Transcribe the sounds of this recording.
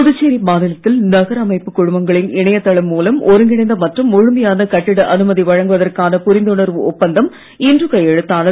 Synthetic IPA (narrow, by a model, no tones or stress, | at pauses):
ʊðɯt͡ʃːeːɾibaːðɪlɐt̪ːɪlnɐɣɐɾɐmɐɪpːɯkʊɻʊmbɐŋɡɐɭɪnɪɳɐjɐt̪ːɐɭɐmːuːlɐmɔɾɯŋɡɪɳɐɪnd̪ɐmɐʈrɯmɔɻʊmɐjaːnɐkɐʈːɪɽɐʔɐnɯmɐðiʋɐɻɐŋɡɯʋɐðɐrkaːnɐpʊɾɪnd̪ɯɳɐɾʋɯɔpːɐnd̪ɐm | ɪndrɯkɐjɛɻɯt̪ːaːnɐ